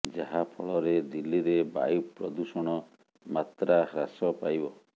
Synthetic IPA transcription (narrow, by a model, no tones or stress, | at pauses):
d͡ʒaɦapʰɔɭɔɾed̪ilːiɾeba̰jupɾɔd̪usɔɽ̃ɔ | mat̪ɾahɾasɔpajbɔ